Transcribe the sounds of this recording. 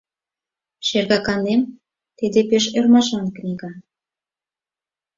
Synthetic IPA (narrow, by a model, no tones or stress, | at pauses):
ʃerɣɑkɑnem | t̪ed̪epeʃermɑʃɑnknʲiɣɑ